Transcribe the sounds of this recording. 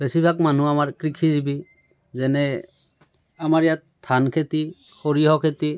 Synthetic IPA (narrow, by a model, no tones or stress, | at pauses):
b̥ɛsibʱakmanuamaɹkɾikʰizibi | zɛnɛ | amaɹijat̪ʰːankʰet̪i | xʰoɹiɦɔkʰet̪i